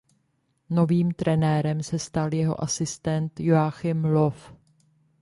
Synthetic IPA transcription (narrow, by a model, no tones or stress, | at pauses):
no̞viːmt̪ɾɛnɛːɾɛmsɛst̪aljɛɦo̞̰ʔasɪst̪ɛnt̪joaxɪmlo̞f